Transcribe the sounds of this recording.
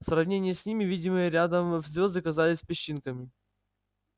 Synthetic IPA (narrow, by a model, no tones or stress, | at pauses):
srɐvnʲenʲɪjsʲnʲimʲɪvʲidʲɪmɨjəɾʲad̪əmvzʲvʲo̞zd̪ɨɐkɐzalʲɪsʲpʲɪɕːinkəmʲɪ